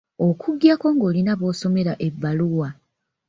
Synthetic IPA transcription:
o̞kʰuɡjako̞ŋɡo̞ːlinaβo̞ːso̞me̞ɾaʔe̞vːaluwa

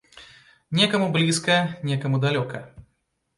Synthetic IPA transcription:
nʲɛkɐmublʲiskɐnʲɛkɐmud̪alʲɔkɐ

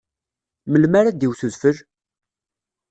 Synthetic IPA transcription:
məlmaɾad̪iwθuðfəl

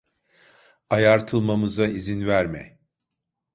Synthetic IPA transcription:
ajaɾt̪ʰɯlˠmamɯzaizinvæɾmɛ̰

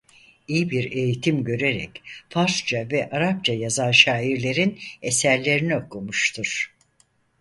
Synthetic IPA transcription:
ijibiɾe̞jit̪ʰimɟø̞ɾe̞ɾɛ̰cfaɾsd͡ʒavɛʔaɾap̚t͡ʃʰajazanʃaːiɾlʲe̞ɾinesæɾlʲe̞ɾinio̞kʰumuʃt̪ʰuɾ̥

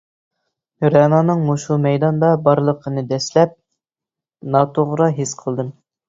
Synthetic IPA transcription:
ɾɛnɑnɨŋmuʃumɛjd̪ɑnd̪ɑbɑɾlˠəqʰənɨd̪ɛslɛp̚ | nɑt̪ʰoʁɾɑɦesqʰəlˠd̪ɨm

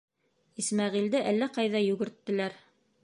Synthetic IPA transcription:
ismæʁild̪ɘʔælːæqɑjðɑjɵ̆ɡɘ̆ɾt̪ːɘ̆læɾ

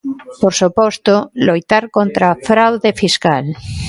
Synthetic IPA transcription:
poɾsupost̪olojt̪aɾkont̪ɾafɾawðefiskal

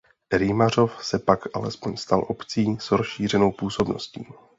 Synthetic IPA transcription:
ɾɪmar̝o̞fsɛpakʔa̰lɛspo̞ɲst̪alʔo̞pt͡siːsɦɾosʃiːr̝ɛno̞wpuːso̞bno̞̰scḭː

